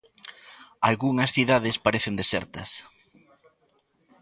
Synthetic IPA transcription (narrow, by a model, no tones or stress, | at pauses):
a̰lɣuŋɐsθiðaðɪspaɾeθend̪esɛ̰ɾt̪ɐ̰s